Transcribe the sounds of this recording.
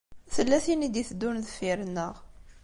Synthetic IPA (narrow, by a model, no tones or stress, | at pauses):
θəlːæθinid̪iθd̪ːunðfiɾnːəʁ